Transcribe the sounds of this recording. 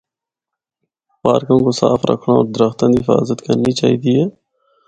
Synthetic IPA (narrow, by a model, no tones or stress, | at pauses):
paːɾkõːŋkosa̰ːfɾʔɐ̰kʰɽão̰ːɾd̪ɾɐxt̪ə̃nɪfa̰ːzət̪kɐɾnit͡ʃaːɦit̪ie